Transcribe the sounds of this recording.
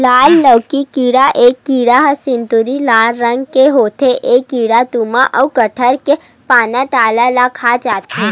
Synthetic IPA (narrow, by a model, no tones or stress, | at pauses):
laːlːəwkikiːɽaʔeːkːiːɽaɦəsɪ̃nt̪uɾilaːlɾə̃ŋɡkeɦoːt̪ʰeʔeːkːiːɽat̪umãʔəwkɐʈʰəɾke | paːnaʈaːlalakʰaːd͡ʒaːt̪e